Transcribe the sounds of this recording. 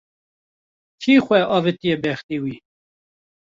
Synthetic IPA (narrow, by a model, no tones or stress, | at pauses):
kʰiːxʷɛʔɑːvet̪ijebɛxt̪iːwiː